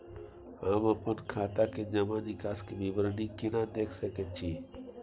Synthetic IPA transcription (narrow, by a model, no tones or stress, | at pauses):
aməpənkʰaːt̪aked͡ʒɐmãnɪkaːskeʋibəɾnikɪnãd̪eːkʰsəkət͡ʃʰi